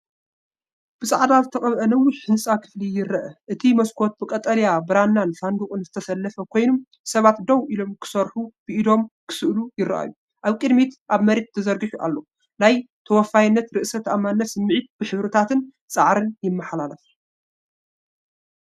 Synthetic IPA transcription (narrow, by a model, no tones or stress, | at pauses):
b̥ɨsʼaʕd̪azɨt̪ʰɐχʼɐβʔɐnɐwːɪħhɨnsʼakʰɨ̥flijɪɾːɐʔɐʔɨt̪ʰimɐskʰo̞t̪̚bɨkʼɐt̪ʼːɐljabɨɾanːanfand̪ukʼɨnzɨt̪ʰɐsɐlːɐfɐkʰo̞jnum | sɐβat̪d̪ɐwʔilo̞mkʰɨ̥sɐɾħub̥ɨʔid̪o̞mkʰɨ̥sɨʔlujɪɾɐ̰ʔa̰jːu | ʔaβkʼɨd̪mit̪ʔaβmɐɾe̞t̪̚t̪ʰːɐzɐɾɡɨħuʔa̰lːo̞ | lajt̪ʰɐwɔfːajɪnːɐt̪ɾɨʔsɐt̪amːanːɐsɨmːɨʕit̪̚b̥ɨħɨβɾɨt̪ʰat̪ʰɨn | t͡sʼaʕɾɨnjɪmːɐħlalɐf